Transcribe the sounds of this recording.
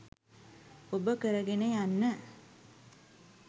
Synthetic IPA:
obəkəɾɐɡenejanːə

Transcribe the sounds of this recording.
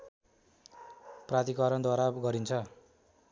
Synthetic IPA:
prat̪ikʌɾʌnd̪waɾaɡʌɾint͡sʰʌ

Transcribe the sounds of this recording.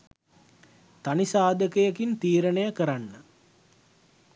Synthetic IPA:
t̪anisaːd̪əkejəkint̪iːɾənəjəkəɾanːə

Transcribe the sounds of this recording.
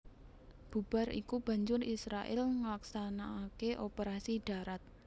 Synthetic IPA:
b̥ub̥a̤rḭkub̥a̤ɲd͡ʒʊrisɾaʔɪ̰lŋəlaksanaːkeʔopeɾasiɖ̥a̤ɾat̪̚

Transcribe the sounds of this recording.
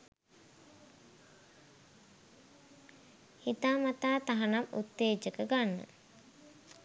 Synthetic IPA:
hit̪aːmat̪aːt̪aɦanamṵt̪ːeːd͡ʒəkəɡanːə̰

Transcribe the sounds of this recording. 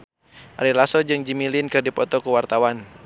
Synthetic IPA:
ʔa̰ɾilasɔd͡ʒɨŋd͡ʒimilinkɨrdipɔt̪ɔkuwart̪awan

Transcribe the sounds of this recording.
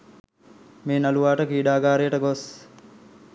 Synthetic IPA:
meːnaluʋaːʈəkiːɖaːɡaːɾijəʈəɡos

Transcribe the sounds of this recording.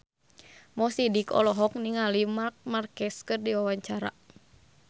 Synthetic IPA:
mɔsidikɔ̰lɔɦɔk̚niŋalimark̚markɛskɨrdiwawaɲt͡ʃaɾa̰

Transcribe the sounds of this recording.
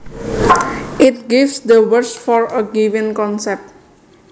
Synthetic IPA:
ʔɪt̚ɡifsd̪əwəɹsfɔɹəɡivĩnkɔ̃nsɛp̚t̚

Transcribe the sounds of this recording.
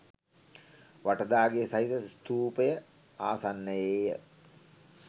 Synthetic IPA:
ʋaʈəd̪aːɡeːsaɦit̪əst̪uːpəjə | aːsanːəjeːjə

